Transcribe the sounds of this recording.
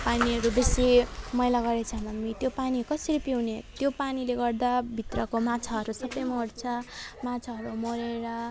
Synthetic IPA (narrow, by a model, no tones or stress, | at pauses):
paniʌɾubesimʌjlaɡʌɾet͡sʰamʌnmit̪jopanikʌsʌɾipiwnet̪jopanileɡʌrd̪abʱit̪rʌkomat͡sʰaɦʌɾusʌbʌjmoɽt͡sʰʌmat͡sʰaɦʌɾumoɾeɾʌ